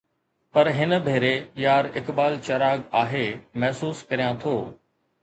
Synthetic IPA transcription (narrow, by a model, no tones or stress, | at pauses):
pɐɾɦɪnə̆bʱeːɾejaːɾɪkɓaːlt͡ɕɐɾaːɡaːɦemɐɦsuːskɐɾijãt̪ʰoː